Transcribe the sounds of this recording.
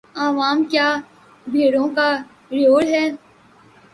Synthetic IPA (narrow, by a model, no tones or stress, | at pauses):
aːʋaːmkjaː | bʱeːɽõka | ɾijoːɽɦɛː